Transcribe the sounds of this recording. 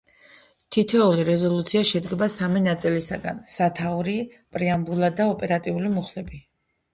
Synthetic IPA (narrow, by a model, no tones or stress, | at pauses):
t̪ʰit̪ʰɛuliɾɛzɔlˠut̪sʰiaʃɛd̪ɡɛbasaminat̪sʼilisaɡa̰nsat̪ʰauɾipʼɾiambulˠad̪aɔpʼɛɾat̪ʼiulimuχlɛbi